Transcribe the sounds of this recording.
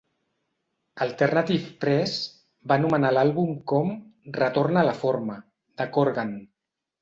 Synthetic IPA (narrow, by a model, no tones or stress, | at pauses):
əlˠt̪əɾnat̪ift̪ɾɛs | banumənalalˠβumkɔmrət̪oɾnalafoɾmə | d̪̥əkoɾɣan